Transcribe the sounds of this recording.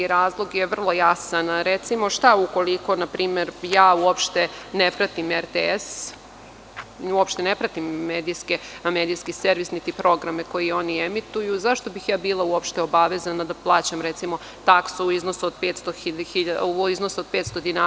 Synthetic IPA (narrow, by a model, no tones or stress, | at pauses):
ɾaːzlˠo̞ɡjeʋr̩lˠo̞jasanɾet̪simo̞ʃt̪auko̞liko̞napɾʔiːmeɾjaːuopʃt̪enepɾat̪imeɾt̪ees | uopʃt̪enepɾat̪imːeːd̪ijskemeːd̪ijskiseɾʋisnit̪ipɾo̞ɡɾameko̞jio̞niemit̪ujuzaʃt̪o̞bixjaːbiːlˠauo̞pʃt̪eobaʋezanad̪aplˠaːt͡ɕamɾet̪simo̞ | t̪aksuuiznosuod̪̚pet̪st̪oixiʎauiznosuod̪̚pet̪st̪o̞d̪ina